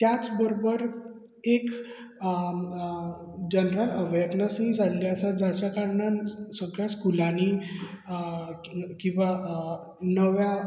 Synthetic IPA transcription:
t̪jat͡sbəɾobəɾ | ek | d͡ʑənɾələʋeɾnəsnd͡zʱalliəsad͡zat͡ɕakaɾɳasəɡɭjaskulani | kĩw̃ʋa | nəʋja

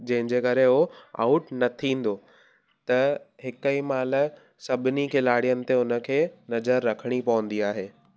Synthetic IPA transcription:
d͡ʑɐ̃ɦɪ̃ɲd͡ʑeːkɐɾeɦoa̰ːʊʈnɐt̪ʰĩːn̆d̪o | t̪ɐɦɪkəimaːl̆ | sɐbʱɪnikʰɪlaːɽijənɪ̆t̪eʊnə̆kʰeːnɐzəɾːɐkʰəɽ̃ipɐʋə̃n̆d̪iaːɦeː

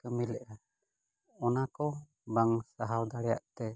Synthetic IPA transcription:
kəmilɛʔɾa | ɔnakɔ | baŋsaɦald̪alɛja̰ʔt̪ɛ

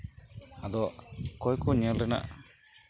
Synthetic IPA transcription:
ad̪ɔʔkɔjkɔɲiəlɾɛna̰ʔ

